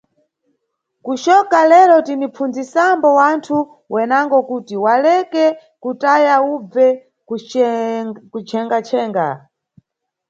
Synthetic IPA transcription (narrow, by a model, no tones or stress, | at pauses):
kuʃɔkalɛlɔtinip͡fund͡zisambɔwantʰu | wɛnaŋɡɔkutiwalɛkɛ | kutajaub͡vɛ | kut͡ʃʰɛŋɡat͡ʃʰɛːŋɡa̰